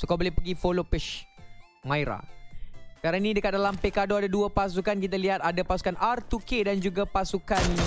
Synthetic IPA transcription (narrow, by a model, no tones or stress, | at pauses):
sukabolɛpəɡifolopɛʃ | mãjɾa̰ | kaɾanĩdəkat̪̚dalampekadoadaduapas̬ukank̬it̪̬aliɦat̪adapasu̥kanʔart̪ukedand͡ʒuɡapasukan